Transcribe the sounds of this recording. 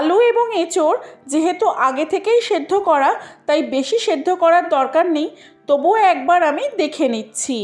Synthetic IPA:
alueboŋet͡ɕoɾd͡ʑeɦet̪uʔaɡet̪ʰekejʃed̪ʱːokɔɾat̪ajbeʃiʃed̪ʱːokɔɾaɾd̪ɔɾkaɾnej | t̪obuɛk̚baɾamid̪ekʰenitːɕʰi

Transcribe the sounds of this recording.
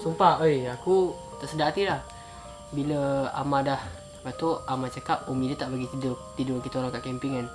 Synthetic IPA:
sumpaojaku | t̪aʔsədaat̪ilah | biləa̰madah | bat̪oʔamat͡ʃakap̚omidət̪aʔbaɡit̪idʊt̪idʊkit̪əoɾaŋkaʔkɛmpiŋan

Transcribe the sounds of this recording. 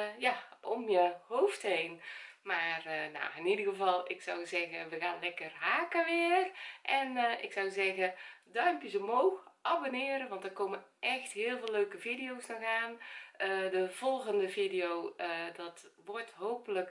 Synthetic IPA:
jaʔɔmjəhoːfthejnmaːrna̰ːɪnidərɣəvɑlˠɪksɔwzɛɣəʋəɣaːnlɛkərɦaːkəʋɪːərʔɛnɪ̰ksɔwzɛɣədœɥmpjəzomoːxʔabonɪːɾənʋɑntdərkoːməʔɛxtɦɪːəlˠvɪːløːkəvidijoːsnɔxaːnədəv̥ɔlˠɣəndəvidijowədɔtʋɔrtɦoːpələk

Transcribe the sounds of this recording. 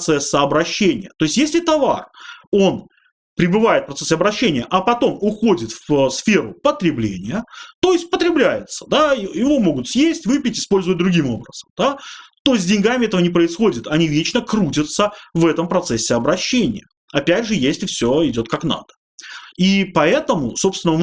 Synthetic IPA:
t̪sɛsːəɐbɾɐɕːenʲɪjət̪o̞ɪsʲtʲjesʲlʲɪt̪ɐva̰ro̞n | pɾʲɪbɨvaɪt̪̚fpɾɐt̪sɛsʲɪɐbɾɐɕːenʲɪjəʔɐpɐt̪o̞mʊxo̞dʲɪt̪fsfʲe̞ɾʊpət̪ɾʲɪblʲḛnʲɪjət̪o̞ɪsʲtʲpət̪ɾʲɪblʲæjɪ̰t̪sə̥d̪ajɪvo̞mo̞ɡʊt̪sjesʲtʲvɨpʲɪtʲɪ̥spo̞lʲzʊvət̚ʲd̪ɾʊɡʲimo̞̰bɾəz̥əmd̪̥at̪o̞zʲdʲɪnʲɡamʲɪɛt̪əvənʲɪpɾəɪsxo̞dʲɪt̪ɐnʲivʲet͡ɕnəkɾutʲət̪səvɛt̪əmpɾɐt̪sɛsʲːɪɐbɾɐɕːenʲɪ̰jə | ɐpʲætʲʐɨjesʲtʲɪfsʲoɪdʲo̞t̪̚kakna̰d̪̥ə̥ | ipɐɛt̪əmʊso̞pst̪vɪnə

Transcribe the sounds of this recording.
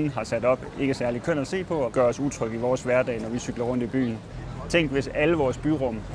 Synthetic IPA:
n̩ɦɑ̈sæd̥ɒ̽b̥e̝ɡ̥əsæɐlikʰøn̰æse̝̰ːpʰɒ̽ɒ̽ɡ̥ɶːɐɒ̽suðˠt͡sʰʁœɡ̥iʋɒːsʋæɐd̥ɛ̰ɪnɒʋisyɡ̥lɐʁɔ̽n̰d̥ib̥y̰ːn̩ | t͡sʰeŋ̰ɡ̥ʋe̝sæləʋɒːsb̥yʁɔ̽m

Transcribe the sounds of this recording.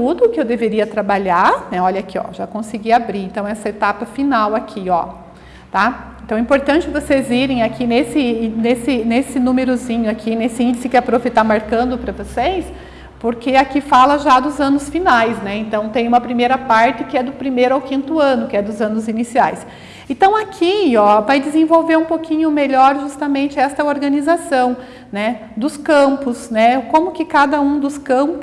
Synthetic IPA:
t̪ud̪ʊːkɪewd̪eveɾiɐt̪ɾabaʎaɾnɛɔʎɐkɪɔ̰ʒakõsɪɡiabɾiɾẽnt̪ɐ̃w̃ɛsɐet̪apɐfinawakʰiɔ | t̪aẽt̪ɐ̃w̃ɛĩpoɾt̪ɐ̃nt͡ʃɪvoseziɾẽj̃akʰinesɪnesɪnesɪnũmeɾʊzĩɲʊakʰinesɪĩnd͡ʒɪsɪkɪapɾofɪt̪amaɾkɐ̃nd̪ʊpɾɐvosejs | poɾkɪakifalɐʒad̪ʊzɐ̃nʊsfinajsnɛẽnt̪ɐ̃w̃t̪ẽj̃ũmɐpɾimejɾɐpaɾt̪ɪkɪɛd̪ʊpɾimejɾʊawkĩnt̪ʊɐ̃nʊkɪɛd̪ʊzɐ̃nʊzinisiajs | ẽnt̪ɐ̃w̃akʰiɔvajd̪ɪzẽvowveɾũpokĩɲʊmeʎɔɾʒust̪ɐmẽnt͡ʃɪɛst̪ɐoɾɡɐnizasɐ̃w̃ | nɛ | d̪ʊskɐ̃mpʊsnɛkõmʊkɪkad̪ɐũd̪ʊskɐ̃pʊ

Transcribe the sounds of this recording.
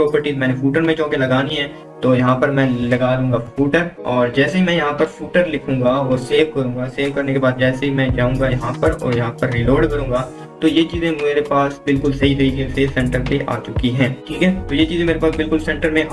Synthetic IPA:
pɾɔːpəɾʈiːmɛːnefuːʈəɾmẽt͡ʃɔ̃ːkelɐɡaːniɦɛ̃ː | t̪oːjɐɦãpɐɾmɛ̃ːlɐɡaːlũːŋɡafuːʈəɾɔːɾd͡ʒɛːseɦimɛ̃jɐɦãpɐɾfuːʈəɾlɪkʰũːɡaɔːɾseːʋkɐɾũːŋɡaseːʋkɐɾnekebaːd̪̚d͡ʒɛːseɦimɛ̃d͡ʒaːũːŋɡajɐɦãpɐɾɔ̰ːɾjɐɦãpɐɾːiloːɾɖkɐɾũːŋ̆ɡaː | t̪ojet͡ʃiːzẽmeːɾepaːsbɪlkʊlsɐɦit̪ɐɦiɡiseːsɛ̃ɳʈəɾpeʔa̰ːt͡ʃʊkiɦɛ̃ːʈʰiːkɦɛt̪ojet͡ʃiːzẽmeːɾepaːsbɪlkʊlsɛ̃ɳʈəɾmẽʔ

